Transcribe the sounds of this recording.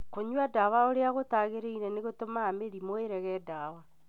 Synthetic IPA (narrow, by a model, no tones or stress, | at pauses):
koɲwadawaoɾeaɣotaɣeɾeinɛneɣotomaːmeɾimoeɾɛɣɛdawa